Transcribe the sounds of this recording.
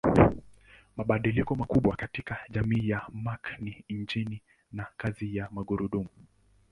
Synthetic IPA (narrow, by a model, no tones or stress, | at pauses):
maɓaɗilikɔmakuɓwakatikaʄamiːjamakniɲd͡ʒini | nakazijamaɠuɾuɗumu